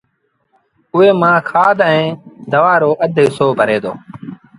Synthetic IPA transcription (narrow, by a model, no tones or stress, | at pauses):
ʊeːmãːkʰaːd̪ɛ̃ːd̪əʋaːɾoːʔəd̪ʱeːsoːbʱəɾeːd̪o̰ː